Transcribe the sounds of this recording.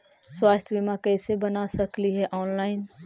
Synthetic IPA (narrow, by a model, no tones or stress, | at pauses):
swaːst̪ʰjbimãkɛːsebɐnasɐkliɦɛʔɔːnlaːɪn